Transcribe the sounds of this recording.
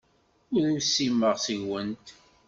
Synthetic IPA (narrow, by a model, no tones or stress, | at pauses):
ʊðusːimːəʁsiʝwənt̪